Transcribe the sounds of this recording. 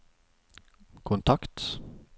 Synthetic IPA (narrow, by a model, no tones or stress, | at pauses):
kʰʊnt̪ʰakt̪